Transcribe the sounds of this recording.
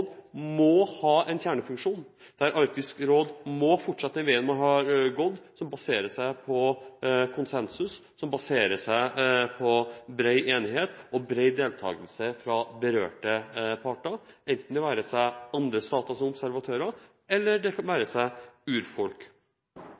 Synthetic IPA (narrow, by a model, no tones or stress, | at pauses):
d̪mɔhɑːʔɛnçæːɳəfʉŋkʂuːnd̪̥æɾʔɑɾk̚t̪ɪskɾoːd̪mɔfɔʈːʂɑt̪ːɛnʋeːənmɑnɦɑɾɡɔd̪ːsɔmbɑseːɾəʂæɪpʰɔkʰʊnsɛnsʉsːɔmbɑseːɾəʂæɪpʰɔbɾeɪʔeːnɪheːt̪ɔbɾeɪd̪eːlt̪ʰɑ̰ːɡəlsəfɾɑbəɾø̰ːʈəpʰɑʈɑɛnt̪n̩d̪ɛʋæːɾəsæɪɑnd̪ɾəst̪ɑːt̪ɑsɔmɔbsæɾʋɑt̪ʰøːɾɑ | ɛlːəɖɛkʰɑnʋæːɾəsæɪʉːɾfɔlk